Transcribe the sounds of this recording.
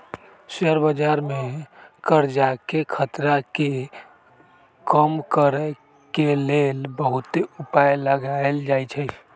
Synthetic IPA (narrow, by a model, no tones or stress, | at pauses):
səɾbəd͡ʒaɾmekəɾd͡ʒakekʰət̪ɾake | kəmkəɾə | kelelbəɦut̪eupajləɡaeld͡ʒajt͡ʃʰə